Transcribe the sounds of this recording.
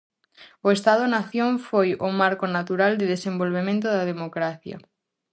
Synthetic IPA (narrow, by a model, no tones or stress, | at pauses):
oest̪að̞onaθjõɱfojomaɾkonat̪uɾald̪eðesẽmbolβ̞emẽnt̪̬oðaðemokɾaθja̰